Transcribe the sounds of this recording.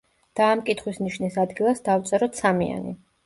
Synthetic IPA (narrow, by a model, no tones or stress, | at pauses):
d̪̥aːmkʼit̪ʰχwisniʃnisad̪ɡilˠasd̪aft̪sʼɛɾɔt̪samia̰nḭ